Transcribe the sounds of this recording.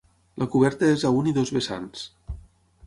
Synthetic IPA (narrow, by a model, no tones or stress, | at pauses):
lʔəkuβ̞ɛɾt̪əezauniðozβesa̰ns